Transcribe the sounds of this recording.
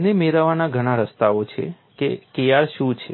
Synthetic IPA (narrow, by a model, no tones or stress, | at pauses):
nemeɾaʋanaɡʱəɽ̃aɾəst̪aot͡ʃʰḛ | kḛkejaɾʃũt͡ʃʰe